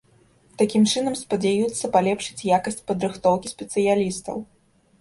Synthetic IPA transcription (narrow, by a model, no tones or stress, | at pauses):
t̪akʲimt͡ʂɨnɐmspɐd͡zʲajut̪sːɐpalʲɛpʂɨ̥t͡sʲjakɐsʲt͡sʲpɐd̪ɾɨxt̪ɔwkʲisʲpʲɛt̪sɨjalʲist̪ɐ̰w